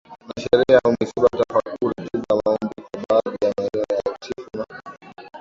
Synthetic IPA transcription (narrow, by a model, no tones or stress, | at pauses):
naʃɛɾiaumɛsiɓatafakuɾikiɗamaɔmbikaɓaðijanaɾɛjatʰifuna